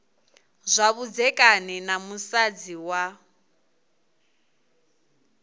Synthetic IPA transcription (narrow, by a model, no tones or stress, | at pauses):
zʷaβud͡zɛkʼanɛnamusad͡ziwa